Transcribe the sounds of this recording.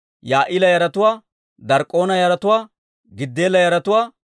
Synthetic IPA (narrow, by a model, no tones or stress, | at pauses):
jaːʔɪlɐjɐɾɐt̪ʊwaː | d̪ɐɾkʼːo̞ːnɐjɐɾɐt̪ʊwaː | ɡɪd̪ːeːlɐjɐɾɐt̪ʊwaː